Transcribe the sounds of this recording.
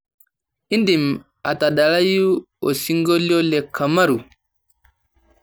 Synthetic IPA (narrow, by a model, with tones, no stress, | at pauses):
i˦ndi˨m | a˨ta˨ɗa˨la˦ju˦ | ɔ˨si˦ŋɡo˦li˦ɔ˦lɛ˨kʰːa˨ma˦ɾu˨